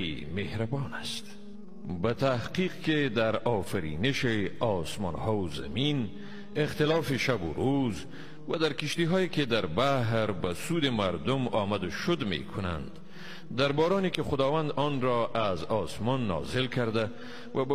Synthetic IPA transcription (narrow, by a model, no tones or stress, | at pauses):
imehɾabɔnast̪ | bat̪ʰahqiːqked̪aɾɒːfaɾḭneʃeɒsmɔ̰ːnhɒːuza̰min | ext̪elɑːfiʃabʊ̰ɾuz | vad̪aɾkiʃt̪iɦɒːjeked̪aɾbaɦɾbasuːd̪emaɾd̪ʊmɒːmad̪ʊʃʊd̪mḛkʰʊna̰nd̪ | d̪aɾbɒɾɔːnikeχʊd̪ɒːvand̪ɔnɾɔʔazɒːsmɔnːɒ̰ːzɪlkʰaɾd̪a | vab